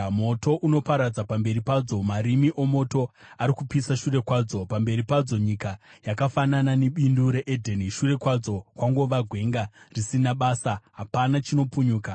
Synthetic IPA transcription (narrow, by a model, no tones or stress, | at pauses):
mo̞to̞ʔuno̞paɾad͡zapambe̞ɾipad͡zo̞maɾimiʔo̞mo̞to̞ | aɾikupisaʃure̞kwaːd͡zo̞pambe̞ɾipad͡zo̞ɲikajakafanananeɓinduɾe̞ʔedʱeniʃure̞kwad͡zo̞kwaŋɡo̞ʋaɡʱwe̞ŋɡarisinaɓaːsaɦapanat͡ʃino̞puɲuːka